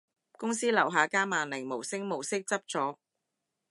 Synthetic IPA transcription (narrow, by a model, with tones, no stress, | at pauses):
kʊ˥ŋsiː˥lɐ˨˩wɦaː˨˧kaː˥maː˨nlɪ˨˩ŋmo˨˩wsɪ˥ŋmo˨˩wsɪ˥k̚t͡sɐ˥p̚t͡sɔː˨˥